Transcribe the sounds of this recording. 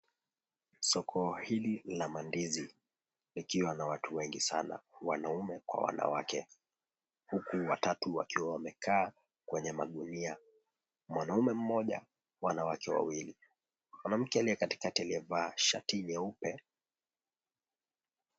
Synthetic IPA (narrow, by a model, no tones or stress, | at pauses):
sɔkʰɔhililamandizi | likiwanawatuwɛŋɡisa̰na̰wa̰naumɛkwa̰wa̰na̰wakɛ | hukuwatatuwa̰kiwawamɛkʰaː | kwɛɲɛmaɠunia | mwanaumɛm̩mɔʄa̰ | wanawakɛwa̰wili | mwanam̩kɛaliɛkati̥katialiɛvaːʃa̰tiɲɛupɛ